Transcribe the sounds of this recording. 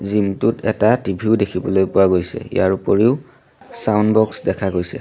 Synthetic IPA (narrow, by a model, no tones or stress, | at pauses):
zimtʊtɛtatibʱiʊdekʰibɔlojpʊwaɡojsɛ̰ijaɹupɔɹiʊ | sawnbɔksdɛkʰaɡojsɛ̰